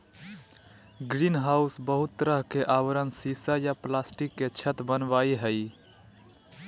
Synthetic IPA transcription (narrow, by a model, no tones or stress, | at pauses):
ɡɾinɦausbəɦut̪ːɾəɦkeʔawəɾənsisajaplasʈikːet͡ʃʰət̪bənbaiɦəi